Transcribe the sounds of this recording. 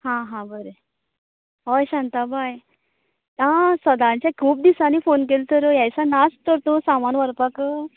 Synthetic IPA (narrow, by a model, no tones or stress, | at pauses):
hãɦãbəɾe | ɦɔjɕãnt̪abaj | ãsəd̪ãɲt͡ɕjakʰuːp̚d̪isanifonk̬elt̪ʰəɾəjajsanast̪əɾt̪õsamanʋəɾpakə